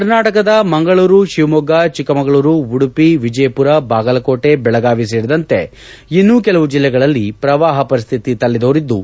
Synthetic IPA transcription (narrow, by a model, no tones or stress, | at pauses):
kɐɾnaːʈɐkɐd̪ɐmɐŋɡɐɭuːɾuʃiʋmɔɡɐt͡ʃikːɐmɐŋɡɐɭuːɾuuɽupiʋid͡ʒɐjpuɾɐbaːɡɐlɐkoːʈe̞bɛɭɐɡaːʋis̬eːɽid̪ɐnt̪e̞ | inːuːkɛlɐʋud͡ʒilːɛɡɐɭɐlːipɾɐʋaːɦɐpɐɾist̪ʰit̪it̪ɐlːid̪oːɾid̪ːu